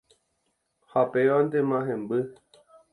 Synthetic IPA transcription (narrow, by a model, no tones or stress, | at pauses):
hapeʋãnd̪emãɦẽmbɨ